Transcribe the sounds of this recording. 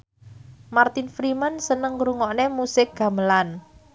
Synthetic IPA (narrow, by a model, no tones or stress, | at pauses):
mart̪infɾimənsənəŋɾuŋɔʔnemusɪk̚ɡ̥a̤məlan